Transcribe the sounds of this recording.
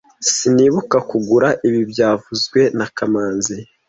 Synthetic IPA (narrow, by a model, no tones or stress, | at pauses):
siniːβukakuɡuɾaʔiβibjaːvuzɡwe̞nakamaːnzi